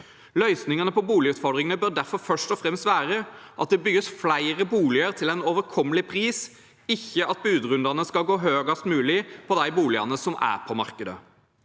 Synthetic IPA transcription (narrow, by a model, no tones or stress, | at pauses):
lœʏsnɪŋənəpʰɔbuːlɪʉːt̪fɔɾd̪ʁɪŋənəbœʁd̪æɾfɔɾfœʂʈɔfɾɛmst̪ʋæːɾəʔɑt̪̚d̪ɛbʏɡəsflæɪɾəbuːlɪəɾt̪ʰɪlɛnoːʋəɾkʰɔmːəlɪpʰʁiːs | ɪçːəʔɑt̪̚bʉːd̪ʁʉnd̪ɑʁnəskɑɡoːɦøːɡɑst̪mʉːlɪpʰɔd̪æɪbuːlɪɑ̰nəsɔmæ̰ʁpʰɔmɑ̰ʁkəd̪ə̰